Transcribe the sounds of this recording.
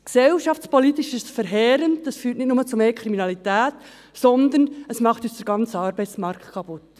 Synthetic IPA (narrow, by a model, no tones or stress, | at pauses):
ksɛwʃɑft͡spɔlit̪iʃɪʃfəɾɦɛːɾənddɑsfyːtnɪtnʊmət͡sʊmeːkʰɾiminɑlitæːt | sɔnd̪ənəsmɑχtyːsd̥əɾɡ̥ɑnt͡səɑːɾbɛjt͡smɑɾktkʰɑpʊt